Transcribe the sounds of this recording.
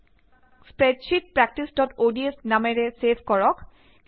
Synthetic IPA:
spɹɛdʃit̚pɹɛk̚ʈisdɔtodiesnamɛɹɛsebʰʱkɔɹɔk

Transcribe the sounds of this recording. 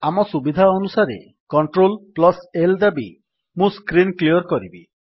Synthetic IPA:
amɔsubid̪ʱaɔnusaɾḛ | kɔɳʈɾolplɔseld̪abḭ | mũskɾinklijɔɾkɔɾibi

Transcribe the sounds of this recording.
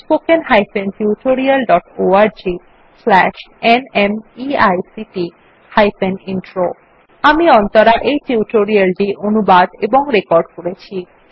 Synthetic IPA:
spokenɦajpenʈiuʈoɾialɖɔʈoaɾd͡ʑi | slɛʃenemiajsiʈi | hajpeninʈɾo | amiɔnt̪oɾaʔejʈiuʈoɾialʈiʔonubad̪eboŋɾekɔɾɖkoɾet͡ɕʰi

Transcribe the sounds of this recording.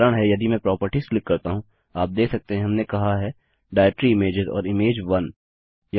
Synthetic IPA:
ɾəɽ̃ɦɛjɐd̪imɛ̃pɾɔːpəɾʈislɪkːɐɾt̪aɦũ | aːp̚d̪eːkʰsɐk̚t̪eɦɛ̃ɦɐmnekɐɦaɦɛ | ɖaːɪʈɾiɪmeːd͡ʒɪzɔ̰ːɾɪmeːd͡ʒʋɐn | jɐ

